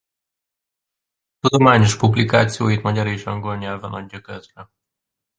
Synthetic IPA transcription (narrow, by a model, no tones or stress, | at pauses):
t̪ud̪o̞maːɲo̞ʃpublikaːt̪sijoːjit̪mɒɟɒɾeːʃɒŋɡo̞lɲɛlvɒnɒɟːɒkøzrɛ